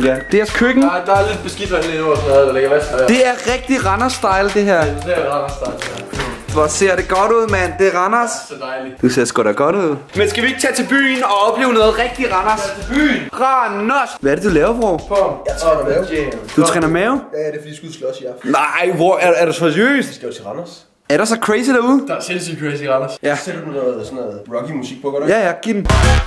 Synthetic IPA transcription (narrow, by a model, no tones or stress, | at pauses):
jæd̥eɐskʰøɡ̥ŋ̩d̥ɑ̈le̝d̥̚b̥e̝sɡ̥id̥ɐeleoɐslɛð̩ˠleɡæsd̥e̝æɐʁɛɡ̥̚d̥iʁɑ̈nɐsd̥ɑ̈ɪld̥e̝ɦæɐ̰seɐʁɑnɐsd̥ɑɪl | ʋɒse̝ɐ̰ɾ̥e̝ɡ̥ɒ̽ɾ̥uð̞̰ˠmænd̥e̝æʁɑnɐssd̥ɑɪlid̥use̝ɐ̰sɡ̥ɒ̰deɡ̥ɒ̽ɾ̥uð̞̰ˠ | mensɡ̥æʋieɡ̥t͡sʰɛ̰ːt͡sʰe̝lb̥y̰ːnɒ̽ɒ̽b̥le̝ːʊnɔ̽ːð̩ˠʁɛɡ̥̚d̥iʁɑ̈nɐsʰb̥yʁɑnɐsʋæɐɾ̥e̝d̥ulɛːʊɐfɒ̰fɔjt͡sʰɑdmɛed̥ut͡sʰʁɛ̰ːnɐmɛːʊjæd̥efɔd̥isɡ̥u̥slɔsiɑfnɑɪʋɒæɐæɐɾ̥esɒsø̰ːsd̥sɡ̥æ̥ut͡sʰe̝lʁɑ̈nɐs | æɐɾ̥esɒ̽kʰʁɛsid̥æɐuð̞ˠd̥ɑselsilkʰʁɛɪsiʁɑnɐsjæsednɔð̩ˠsɔnɔð̩ˠʁɒɡ̥imusiɡ̥̚pʰɒ̽ɡ̥ɔjæjæɡ̥idm̩